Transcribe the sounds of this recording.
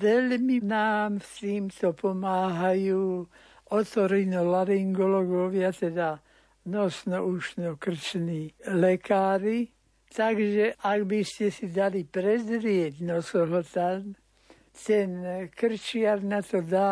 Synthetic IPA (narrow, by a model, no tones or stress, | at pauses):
ʋɛlminaːmst̪iːmt̪ɔpɔmaːɦajuː | ɔt̪ɔɾinɔlaɾiŋɡɔlɔɡɔʋɪat̪ɛd̪a | nɔsnɔuʃnɔkr̩t͡ʃniːlɛkaːɾi | t̪aɡʒɛʔaɡbiscɛsid̪alipɾɛzɾɪɛɟnɔsɔɦɔt̪am | t̪ɛnkr̩t͡ʃɪaɾnat̪ɔd̪a